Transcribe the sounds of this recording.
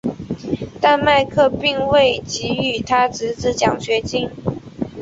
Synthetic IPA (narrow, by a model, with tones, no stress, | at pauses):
t̪a˥˧nma˥˧ɪkʰɤ˥˧pi˥˧ŋwe˥˩ɪt͡ɕi˧˥y˨˩t̪ʰa˥t͡sɻ̩˧˥t͡sɹ̩˧˥t͡ɕjɑ˨˩ŋɕɥɛ˧˥t͡ɕi˥n